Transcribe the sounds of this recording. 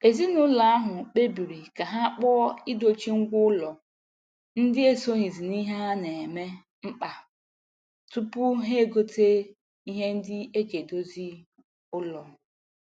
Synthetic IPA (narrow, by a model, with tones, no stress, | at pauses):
e˨zi˦nʊ˦la˨a˦ɦʊ˨k͡pe˦bi˨ɾi˨ka˨ɦa˦a˦k͡pɔ˦i˦do˦t͡ʃi˦ŋ̩˦ɡʷʊ˦ʊ˦lɔ˨ | n̩˦dɪ˦e˦so˦ɦi˨zi˨ni˦ɦa˦ne˨e˨me˦ | m̩˦k͡pa˨ | tu˦pʊ˦ɦe˦˨ɡo˦te˦ | i˦ɦe˦n̩˦dɪ˦e˦ɡe˨do˦zi˦ | ʊ˦lɔ˨